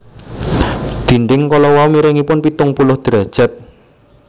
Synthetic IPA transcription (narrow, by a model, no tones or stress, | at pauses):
d̪̥i̤ɳɖɪŋkɔlɔwaumiɾɪŋipʊnpit̪ʊŋpulʊhd̪̥ɾad̥ʒ̥a̤t̪̚